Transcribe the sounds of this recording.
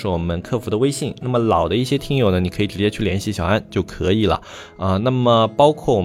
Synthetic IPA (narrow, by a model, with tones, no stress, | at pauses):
ɻ̩˥˩wɔ˨˩mə˦nkʰɤ˥˩fu˧˥d̪ə˧we˥ɪɕi˥˩ŋna˥˩mə˩lɑ˨˩ʊd̪ə˦i˥˩ɕjɛ˥t̪ʰi˥ŋjo˨˩ʊnə˦ni˨˩kʰɤ˧˥i˨˩ʈ͡ʂɻ̩˧˥t͡ɕjɛ˥t͡ɕʰy˥˩ljɛ˧˥nɕi˥˩ɕjɑ˨˩ʊa˥˧nt͡ɕjo˥˩ʊkʰɤ˧˥i˨˩lə̰˦ | ə˥˧na˥˩mə˩pɑ˥ʊkʰwɔ˥˩wɔ˨˩